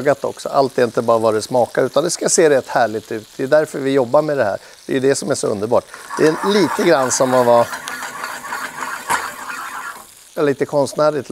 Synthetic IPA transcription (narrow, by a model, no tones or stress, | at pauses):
ɡat̪ɔ̰ksɔ̰ʔalt̪ɛɾɪnt̪əbɑːɾavɑːɾɛsmɑːkaʉ̟ːt̪and̪ɛskajaseːɾɛt̪ːhæːɭɪt̪ʉ̟ːt̪̚d̪ɛjɵd̪æɾfœɾvɪjɔbːaɾmɛd̪ɛhæ̰ːɾ | d̪̥ɛ̰jɵd̪ɛsɔmæʂɔɵ̰nd̪əɾbɑ̰ːʈd̪̥ɛɛliːt̪əɡɾanːsɔmɔva | jɑliːt̪əkʰɔnst̪næːɾɪt̪l